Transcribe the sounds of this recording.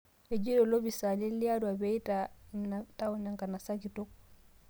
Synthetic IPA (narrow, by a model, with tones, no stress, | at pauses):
e˨d͡ʒi˦ɾo˨lo˦bi˨sa˨le˦li˦a˦dwa˨bɛ˦i˦tanata˦ɔ˨na˨ŋka˨na˨sa˦ki˨to˦k̚